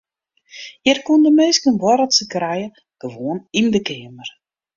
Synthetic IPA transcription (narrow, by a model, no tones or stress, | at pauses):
jərkundəmeːskənʋɔɾətsəkrɛjə | ɡ̥əʋoənindəkɪəmər